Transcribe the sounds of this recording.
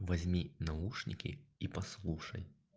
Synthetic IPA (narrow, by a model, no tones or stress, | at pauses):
vazʲmʲinauʂnʲikʲḭipaslˠuʂɐj